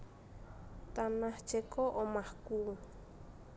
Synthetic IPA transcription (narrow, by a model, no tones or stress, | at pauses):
t̪anaht͡ʃɛkɔʔɔmahku